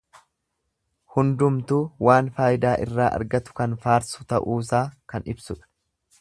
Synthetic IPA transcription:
hʊnd̪ʊmt̪uːwaːnfaːjɪd̪aːʔɪrːaːʔɐ̰ɾɡɐt̪ʊ̥kɐnfaːɾsʊt̪ɐʔuːs̬aːkɐnɪbsʊᶑɐ̥

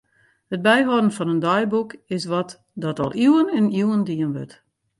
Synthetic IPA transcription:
hət̚bɛjɦɔdən̩fɔnəndɔjbukɪs̬ʋɔt | dɔtɔ̰lˠiwənɛnuwəndiənʋø̰t

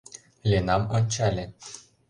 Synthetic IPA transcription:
lʲenamonʲt͡ɕalʲe

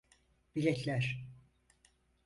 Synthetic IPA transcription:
b̥ilʲɛt̪ʰlʲæɾ

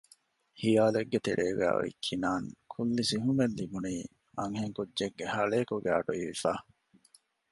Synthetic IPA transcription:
hijaːleɡːet̪eɾʔeːɡæ̰ːḭkʰːinaːŋkʰulːisiɦumelːibuniː | ɐŋɦeŋkudːeɡːehɐɭeːkuɡæːɐ̰ɖuiʋifaː

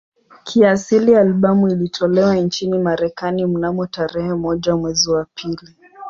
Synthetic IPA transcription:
kʰiasilijaːlɓamuilitʰɔlɛwaint͡ʃinimaɾɛkanim̩namɔtaɾɛhɛmɔʄamwɛziwapʰili

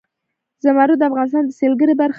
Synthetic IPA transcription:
zamaɾud̪əafɣɑnɪs̬t̪ɑnd̪əselɡəɾibaɾx

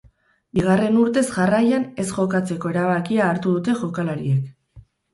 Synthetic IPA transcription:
biɣ̞are̞nuɾt̪e̞zʝarajane̞sʝo̞kat͡se̞ko̞e̞ɾaβ̞akiaːɾt̪uðut̪e̞ʝo̞kalaɾiek

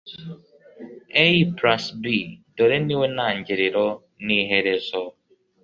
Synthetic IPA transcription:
ejipɾasbidoɾeniwenaɲ̩d͡ʒɪɾɪɾɔ | niɦeɾezɔ

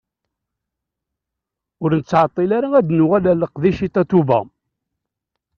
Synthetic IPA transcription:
ʊɾnət͡sːʕat̪ˤːilaɾaæd̪nʊwælæləqðiʃit̪æt̪uvæ̰

